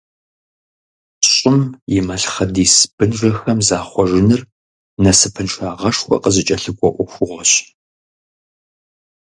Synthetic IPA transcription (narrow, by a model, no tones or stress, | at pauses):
ɕʼɪmjɪmɐɬχɐdiːsbɨnʐɐxɐmzaːχʷɔʐɪnɨr | nɐsɨpʰɨnʂaːʁɐʂxʷɔ̰qəzɨt͡ʃʼɐɬɨkʷʼɔʔʷʊxʷʊʁʷɔɕ